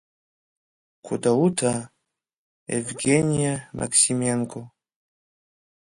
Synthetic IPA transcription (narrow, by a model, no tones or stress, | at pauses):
kʰud̪autʰa | ɛ̰vɡeniamʔa̰ksimaŋko